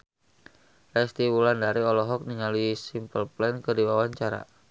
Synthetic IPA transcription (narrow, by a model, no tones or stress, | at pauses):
rɛst̪iwulandaɾiɔlɔɦɔk̚niŋaluisimpəlplɛnkərdiwawaɲt͡ʃaɾa̰